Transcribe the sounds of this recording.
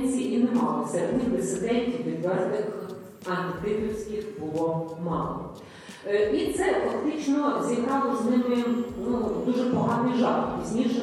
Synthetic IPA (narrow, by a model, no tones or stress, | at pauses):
sʲiʔinemɑ̰lˠɔ̰sʲɛɾed̪nʲid̪ɪsɪd̪ɛnʲtʲiwʋʲid̪ʲʋɛznɪx | ɐnɪt̪ɪpɪwsʲkʲɪxbʊlˠɔmɑ̰lˠɔ̰ | it̪sɛfɐkt̪ɪt͡ʃnɔzʲjɐkɑʋɔʒnɪmɪnud̪uʒɛpɔɦɑnɪjʒɑlpʲizʲnʲiʃɛ